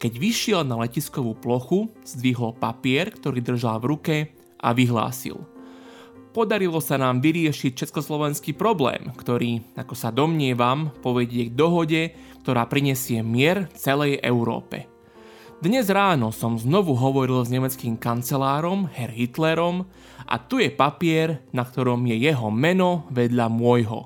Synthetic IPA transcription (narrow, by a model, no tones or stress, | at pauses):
kɛɟʋiʃɪɛlnalɛciskɔʋuplɔxuz̥d̪ʋiɦɔlpapɪɛɾkt̪ɔɾiːd̪r̩ʒalʋɾukɛ | ʔa̰ʋiɦla̰ːsḭl | pɔd̪aɾilɔsanaːmʋiɾɪɛʃict͡ʃɛt͡skɔslɔʋɛnskipɾɔblɛ̰ːmkt̪ɔɾiːakɔsad̪ɔmɲɪɛʋampɔʋɛɟɪɛɡ̚d̪ɔɦɔɟɛ | kt̪ɔɾaːpɾiɲɛsɪɛmɪɛɾt͡sɛlɛjʔɛ̰ʊɾɔ̰ːpɛ̰ | d̪ɲɛzɾaːnɔsɔmznɔʋuɦɔʋɔɾilzɲɛmɛt͡skiːmkant͡sɛlaːɾɔmhɛɾɦit̪lɛɾɔm | ʔa̰t̪ujɛpapɪɛɾnakt̪ɔɾɔmjɛjɛɦɔmɛnɔʋɛd̪ʎamʊɔjɦɔ̰